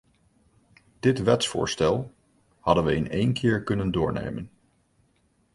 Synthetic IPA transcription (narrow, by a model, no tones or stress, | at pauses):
d̥ɪtʋɛtsfʊ̰ːɹstɛlˠ | hɑdənʋəɪnejnkʰɪːɹkɵnəndʊːɹnḛjmən